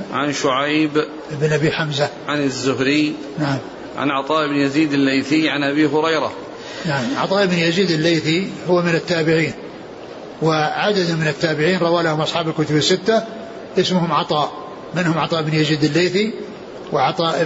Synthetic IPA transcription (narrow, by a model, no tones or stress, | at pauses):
ʕa̰nʃʊʕajb | ʔɪbnʔabiːħamzaʕanazːʊɦɾɪ | naʕam | ʕa̰nʕɑt̪ˤɑːʔɪbnjaziːd̪alːajθiʕanʔabiɦʊɾɑjɾɑ̰ | naʕamʕɑ̰t̪ˤɑːʔɪbnjaziːd̪ɪlːejθihʊwmɪnɪt̪ːaːbɪʕiːn | wɪʕad̪ad̪mɪnɪt̪ːaːbɪʕiːnɾˤɑwaːlahʊmʔɑsˤħɑːbalkʊt̪ʊbɪsːɪt̪ːa | ʔɪsmʊhʊmʕɑt̪ˤɑːʔ | mɪnhʊmʕɑt̪ˤɑːʔɪbnjaziːd̪ɪlːejθi | wɪʕɑt̪ˤɑːʔ